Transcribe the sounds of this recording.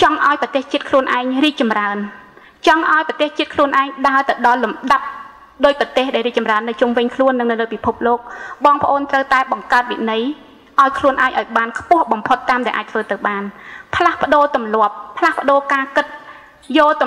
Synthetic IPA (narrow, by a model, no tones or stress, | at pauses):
t͡ɕɑŋʔaɔjprɑt̪eːht͡ɕiət̪̚kʰluənʔaɛŋriːk̚t͡ɕɑmraən | t͡ɕɑŋʔaɔjprɑt̪eːht͡ɕiət̪kʰluənʔaɛŋɗaət̪ɨwɗɑlːumɗap̚ | ɗoːc̚prɑt̪eːhɗaɛlriːk̚t͡ɕɑmraənːɨwt͡ɕumʋɨɲkʰluənːɨŋnɨwləːpipʰup̚loːk̚ɓɑːŋpə̆ʔoːnt̪rəwt̪aɛɓɑŋkaət̪̚ʋḭʔnɨj | ʔaɔjkʰluənʔaɛŋʔa̰ɔjɓaːnkʰpʊ̆əhɓɑmpʰot̪ːaːmɗaɛlʔaːc̚t̪ʰʋəːt̪ɨwɓaːnpʰlahpə̆ɗoːt̪umlŏəp̚ːʰlahpə̆ɗoːkaːkɨt̪̚ | joːt̪